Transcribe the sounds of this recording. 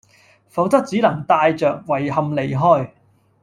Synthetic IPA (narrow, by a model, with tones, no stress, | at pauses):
fɐ˨˥wt̪ɐ˥k̚t͡siː˨˥lɐ˨˩ŋt̪aː˧jt͡ʃœː˨k̚wɐ˨˩jhɐ˨˧mle˨˩jɦɔː˥˩j